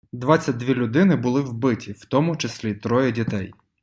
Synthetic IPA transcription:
d̪ʋɑt͡sʲːɐt̚ʲd̪ʋʲilʲʊd̪ɪnɪbʊlˠɪwbɪtʲiwt̪ɔmʊt͡ʃesʲlʲit̪ɾɔjɛdʲit̪ɛj

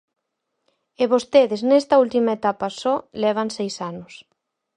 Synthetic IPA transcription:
ɪβost̪eðɪznest̪ɐult̪imaet̪apɐsɔlɛβ̞ɐnsejsanʊs

